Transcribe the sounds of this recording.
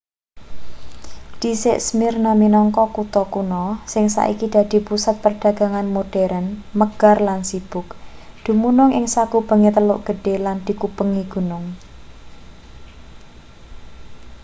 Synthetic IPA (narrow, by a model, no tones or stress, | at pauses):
d̪̥i̤sɪʔsmɪrnaminɔŋkɔkut̪ɔkunɔsɪŋsa̰ʔḭkid̪̥a̤d̪̥i̤pusat̪̚pərɖ̥a̤ɡ̥a̤ŋanmoɖ̥ɛɾʔənməɡ̥arlansib̥ʊkd̪̥ṳmunʊŋʔɪŋsakub̥ə̤ŋet̪əlʊʔɡ̥ə̤ɖ̥e̤land̪̥i̤kub̥əŋiɡ̥ṳnʊŋ